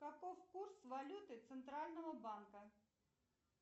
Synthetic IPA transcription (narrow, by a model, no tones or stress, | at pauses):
kɐkɔwkursʋɐlʲut̪ɨt̪sɛnt̪ɾalʲnɔɦɔbankɐ